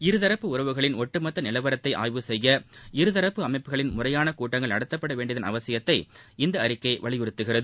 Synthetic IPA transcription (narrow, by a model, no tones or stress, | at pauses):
ɪɾɯðɐɾɐpːɯʊrɐʋɯɣɐɭɪnɔʈːɯmɐt̪ːɐnɪlɐʋɐɾɐt̪ːɐɪʔa̰ːjʋɯsɛjːɐɪɾɯðɐɾɐpːɯɐmɐɪpːɯɣɐɭɪnmʊrɐjaːnɐkuːʈːɐŋɡɐɭɐɽɯt̪ːɐpːɐɽɐʋeːɳɖɪɐðɐnɐ̰ʋɐsɪjɐt̪ːɐɪɪnd̪ɐːɾɪkːɐɪʋɐɭɪjɔɾɯt̪ːɯɣɪrɐðɯ